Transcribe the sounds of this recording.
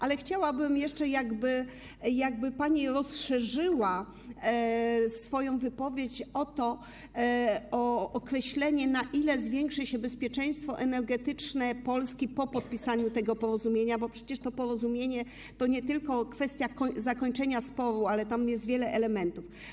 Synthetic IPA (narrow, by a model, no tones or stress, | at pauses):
ʔalɛxt͡ɕawabɘmjɛʂt͡ʂɛjaɡbɘ | jaɡ̚bɘpaɲiɾɔsʂɛʐɘwa | sfɔjɔ̃w̃vɘpɔvʲjet͡ɕɔt̪ɔ | ɔːkɾɛɕlɛɲɛnaʔilɛzvʲjɛŋkʂɘɕɛbɛspʲjɛt͡ʂɛj̃st̪fɔʔɛnɛɾɡɛt̪ɘt͡ʂnɛpɔlskʲipɔpɔt̪̚pʲisaɲut̪ɛɡɔpɔɾɔzumʲjeɲabɔpʂɛt͡ɕɛʂt̪ɔpɔɾɔzumʲjeɲɛ | t̪ɔɲɛt̪ɘlkɔkfɛst̪ʲjakɔzakɔɲt͡ʂɛɲaspɔɾualɛt̪amjɛst̪vʲjɛlɛʔɛlɛmɛnt̪uf